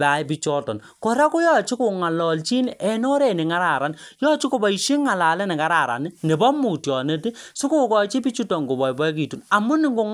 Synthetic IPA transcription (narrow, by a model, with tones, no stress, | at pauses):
pa˨pi˦t͡ʃɔ˦tɔ̰˨n | ko˨ɾa˦ku˦jɔ˦t͡ʃi˦ko˨ŋa˨lɔ˨lt͡ʃi˦n˨ʔɛ˨nɔ˦ɾe˨ne˨ŋa˦ɾa˨ɾa˨njɔ˦t͡ʃi˦ko˨bɔ˨i˨ʃi˦ŋa˨la˨lɛ˦nɛ˨ka˦ɾa˨ɾa̰˨ni˦ne˨bɔ˦mu˨tjɔ˨ne˦ti˦sʊ˦ku˦kɔ˨t͡ʃi˦pi˦t͡ʃu˦tɔ˨ŋɡo˨bɔ˨jbɔ˦k̬i˨tu˨na˨mu˦nɪ˨ŋɡo˨ŋ